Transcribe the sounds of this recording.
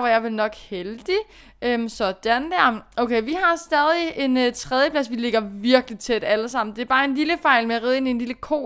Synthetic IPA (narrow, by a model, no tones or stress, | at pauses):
ʋɑ̈jɑ̈ɪʋelnɒ̽ɡ̥held̥i | ømsɒ̽d̥ænd̥æɐ̰oʊkʰeɪʋiɦɑ̈sd̥ɛːð̞ˠie̝nt͡sʰʁɛðˠjəpʰlæsʋile̝ɡ̥ɐʋiɐɡ̥lit͡sʰed̥æləsɑ̈m̰n̩d̥e̝æɐb̥ɑ̈ːe̝nliləfɑ̈ɪ̰lmeæʁiðˠe̝nie̝nliləkʰo̝̰ː